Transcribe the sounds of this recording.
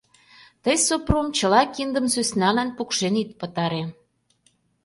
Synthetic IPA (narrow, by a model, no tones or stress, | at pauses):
t̪əjsopromt͡ɕəlɑkind̪ə̆msøsnɑlænpukʃenit̪̚pət̪ɑɾe